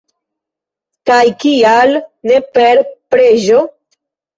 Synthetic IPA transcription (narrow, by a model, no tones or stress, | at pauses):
kajkialne̞pe̞ɾpɾeʒo̞